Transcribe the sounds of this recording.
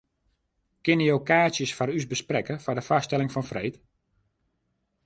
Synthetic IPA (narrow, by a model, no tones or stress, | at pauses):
kɪnəjowkaːsjəsfaɾysbəsprɛkəfɔdəfastɛlɪŋfɔnfrejt